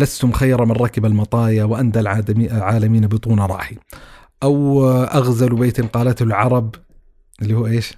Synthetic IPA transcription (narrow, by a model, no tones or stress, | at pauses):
last̪ʊmxajːɾˤɑmɪnˤɑːkɪbalmɑt̪ˤɑːjawʔand̪alʕailʕaːlamiːnabɨt̪ˤuːnaɾˤɑ̰ːħi | ʔawʔaɣzalbeːt̪ɪnqɑːlat̪hʊlʕɑɾˤɑb | ɪlːiːhuːʔeːʃ